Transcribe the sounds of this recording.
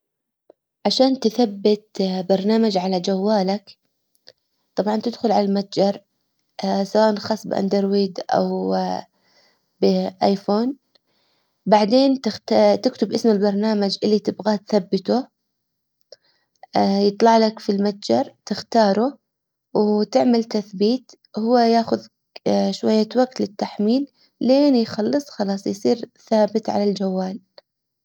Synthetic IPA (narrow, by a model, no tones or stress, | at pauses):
ʕaʃaːnt̪ɪθabːɪt̪bɑɾˤnaːmad͡ʒʕalad͡ʒawːaːlak | t̪ˤɑbʕɑnt̪ɪd̪xʊlʕalalmat̪̚d͡ʒɑɾˤ | sawaːʔanxɑːsˤbʔa̰nd̪ɑɾwiːd̪ʔa̰w | bʔajfoːn | baʕd̪eːnt̪ɪxt̪ɪkt̪ɪbʔɪsmɪlbɑɾˤnaːmad͡ʒʔɪlːit̪ɪbɣaːt̪θabːɪt̪ʊ | jɨt̪ˤlɑʕlakfilmat̪d͡ʒɑɾˤt̪ɪxt̪ɑːɾˤʊ | wt̪ɪʕmalt̪aθbiːt̪ | hʊwːajaːxʊð | ʃwajːat̪waɡt̪lɪt̪ːaħmiːl | leːnjxɑlːɨsˤxɑlɑːsˤjsˤiːɾθaːbɪt̪ʕa̰lald͡ʒawːaːl